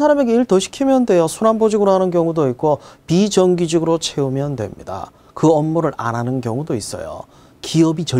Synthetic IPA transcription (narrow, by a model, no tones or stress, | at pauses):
sʰaɾame̞ɡeiɭtʌɕʰi̥kʰimjʌndwe̞josʰunanbod͡ʑiɡɯɾoɦanɯnkjʌŋudoik͈opid͡ʑʌŋɡid͡ʑɯɡɯɾot͡ɕʰe̞umjʌndwḛmɲḭda̰ | kɯʌnːuɾɯɾa̰nanɯnkjʌŋudois͈ʌ̰jo̰ | kiʌbit͡ɕʌ